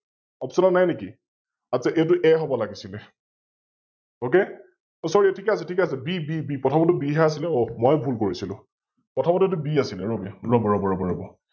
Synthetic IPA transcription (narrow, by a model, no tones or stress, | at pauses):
ɔpsɔnɔnajneki | asaʔet̬ʊʔɛɦɔbɔlaɡisilɛ | oke | sɔɹiɛtʰikɛasɛtʰikasɛbibibipɹɔtʰabɔtʊbiɦɛasilɛomɔjbʱulkoɹisilʊ̰̃ | pɔtʰabɔtʊet̬ʊbiasilɛɹobiaɹɔbɔɹɔbɔɹɔbɔɹɔbɔ